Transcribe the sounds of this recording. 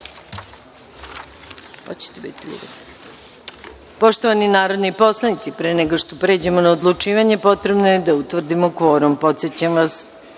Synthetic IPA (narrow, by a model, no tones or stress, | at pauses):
ho̰t͡ɕe̥t̪ebḭt̪iʎṵɡas | po̞ʃt̪o̞ʋaninaːɾo̞d̪nipo̞slˠanit̪sipɾeːneɡoʂt̪opɾe̞ːd͡ʑe̞monaod̪lˠut͡ʂiːʋaɲe̞po̞t̪ɾe̞bnojed̪aut̪ʋr̩d̪imokʋo̞ːɾompo̞t̪set͡ɕamʋas